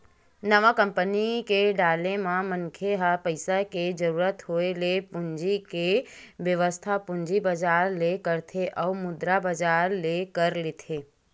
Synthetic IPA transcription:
nəʋakəmpənikeɖaːlemãməŋkʰeɦapəɪsaked͡ʒəɾuːɾət̪ɦoelepʊɲd͡ʒikeʋjəʋəst̪ʰapʊɲd͡ʒibəd͡ʒaːɾlekəɾt̪ʰeʔəumʊd̪ɾabəd͡ʒaːɾlekəɾlet̪ʰeː

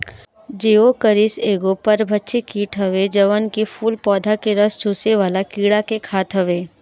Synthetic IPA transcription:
d͡ʒeːokəɾɪseːɡopɐɾbʱɐtːʃʰikiːʈʰɦɐʋed͡ʒɐʋənkifʰuːlpɔːd̪ʱakeɾəst͡ʃʰuːseʋaːlakiːɽakekʰaːt̪ɦɐʋeː

